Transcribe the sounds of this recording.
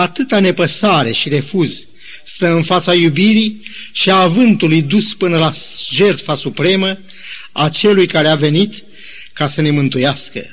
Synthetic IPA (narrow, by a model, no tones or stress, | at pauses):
at̪ɨt̪ane̞pəsaɾe̞ʃiɾe̞fuz | st̪əɨnfat̪sajubiɾiʃiaːvɨnt̪ulujd̪uspɨnəlaʒe̞rt̪fasupɾe̞mə | at͡ʃe̞lujkaɾeave̞nit̪ | kasəne̞mɨnt̪ujaskə̰